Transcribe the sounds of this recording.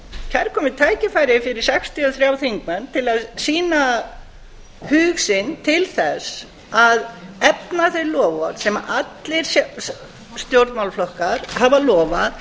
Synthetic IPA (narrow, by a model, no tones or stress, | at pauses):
cʰɛɾkʰɔːmɪt̪ʰaːjcɪfaːjɾɪfɪɾɪɾ̥sɛkst̪ʰiɔθɾjawθiŋkmɛnt̪ʰɪlaðsiːna | hʏːɣsɪnt̪ʰɪlθɛs | aðɛpnaθejɾlɔːvɔɾsɛma̰ʔat̪lɪɾ̥s | st̪jowɾt̪mawlflɔhkaɾ̥havalɔːvað